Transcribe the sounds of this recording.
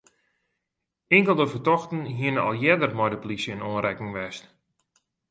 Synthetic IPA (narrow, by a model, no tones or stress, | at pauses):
ɪŋkəlˠdəvətɔxtənɦiənəɔ̰lˠjɛdərmɔjdəplisjəɪnoːnɾɛkɪŋʋɛst